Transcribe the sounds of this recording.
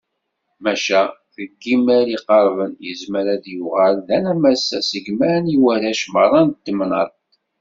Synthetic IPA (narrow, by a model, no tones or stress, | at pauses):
mæʃæθəɡːimæɾiqɑɾˤvənjəzməɾæðjuʁælðænæmæsːæsəɡmæɾniwæɾæʃməɾˤɑnt̪ːəmnəɾˤ